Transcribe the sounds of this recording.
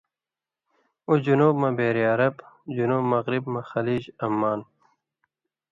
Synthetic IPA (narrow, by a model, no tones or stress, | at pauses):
od͡ʑunuːbmɐbeːɾiɐɾɐbd͡ʑunuːbmɐɣɾibmɐxɐliːd͡ʑɐmːaːn